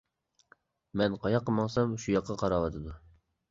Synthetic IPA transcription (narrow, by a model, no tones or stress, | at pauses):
mɛnqʰɑjɑqʰːəmɑŋsɑmʃujɑqʰːɑqʰɑɾɑwɑt̪ʰɨd̪u